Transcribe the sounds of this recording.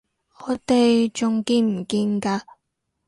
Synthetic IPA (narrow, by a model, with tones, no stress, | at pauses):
ɔː˨˥t̪e˨jt͡ʃʊ˨˩ŋkiː˧nm̩˨˩kiː˧nkaː˧